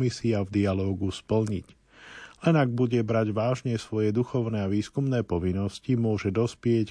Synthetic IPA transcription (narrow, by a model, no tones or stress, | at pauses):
misiavd̪ialɔːɡuspl̩ɲic | lɛnaɡ̚buɟɛbɾaɟʋaːʒɲɛsʋɔjɛd̪uxɔʊnɛːaʋiːskumnɛːpɔʋinːɔscimʊɔʒɛd̪ɔspɪɛc